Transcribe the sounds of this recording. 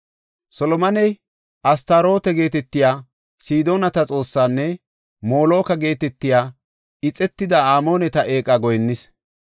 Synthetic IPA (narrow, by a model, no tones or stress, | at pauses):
sɔlɔmɐnɛj | ʔɐst̪aɾo̞ːt̪ɛɡe̞ːt̪ɛt̪ːɪjaː | siːd̪o̞ːnɐt̪ɐt͡sʼo̞ːsːaːnːɛ | mo̞ːlo̞ːkɐɡe̞ːt̪ɛt̪ːɪjaː | ɪt͡sʼɛt̪ːɪd̪ɐaːmo̞ːnɛt̪ɐʔe̞ːkʼːɐɡɔjnːɪs